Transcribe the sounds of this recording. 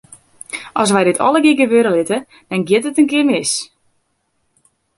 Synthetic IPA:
ʔɔs̬ʋɛjdɪtʰɔləɡɪɡəʋøːɾəlɪtə | d̥ɔnɡjɪtətənkɪərmɪs

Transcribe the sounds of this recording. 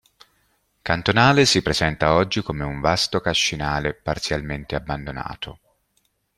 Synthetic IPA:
kant̪onaːlesipɾezɛnt̪aɔd͡ʒːikomeuɱvast̪okaʃːinaːlepart̪sjalment̪eabːand̪ona̰ːt̪ʰo

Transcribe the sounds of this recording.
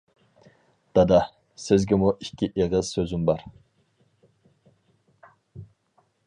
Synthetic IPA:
d̪̥ɑd̪ɑ | sɪzɡʲɪmuʔikʲʰːiʔeʁəz̥søzymbɑɾ

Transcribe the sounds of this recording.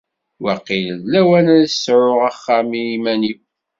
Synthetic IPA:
wæqːilðlæwænæðsɾʊʁaχːæmiimæni

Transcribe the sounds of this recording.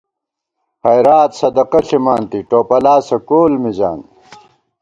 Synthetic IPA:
hɐjɾaːt̪sɐd̪ɐqɐɬimaːnt̪iʈoːpɐlaːsɐkoːlmid͡ʑa̰ːn

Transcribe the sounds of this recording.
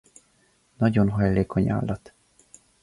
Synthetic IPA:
nɒɟo̞nɦɒjleːkʰo̞ɲa̰ːlːɒt̪

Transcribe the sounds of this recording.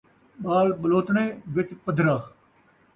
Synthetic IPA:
ɓaːlɓəloːt̪ɳẽːʋɪt͡ʃpəd̪ʱɾaː

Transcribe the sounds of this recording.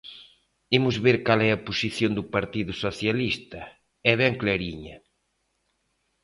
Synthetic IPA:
imʊzβeɾkalɛɐpusiθjond̪ʊpaɾt̪iðʊsoθjalist̪ɐ | ɛβɛŋkleɾiɲɐ

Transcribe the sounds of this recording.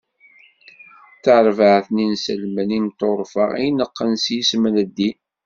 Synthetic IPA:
θəʕɾvəʕθninsəlmənimt̪oɾˤfə̰ʁḭnəqːənsjismnəd̪ːi

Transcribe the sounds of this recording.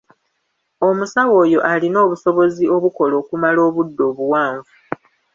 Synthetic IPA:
o̞musawo̞ːjo̞ʔalino̞ːβuso̞βo̞zio̞βuko̞lo̞ːkumalo̞ːβudːo̞ːβuwaːɱvu

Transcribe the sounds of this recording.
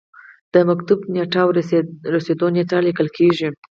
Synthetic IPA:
d̪̥əmakt̪ubneʈɑwɾased̪oneʈɑlikəlkʰeʒi

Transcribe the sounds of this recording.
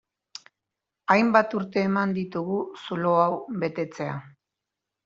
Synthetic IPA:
ajmbat̪uɾt̪e̞ːmand̪it̪uɣusulo̞awβe̞t̪e̞t͡se̞a

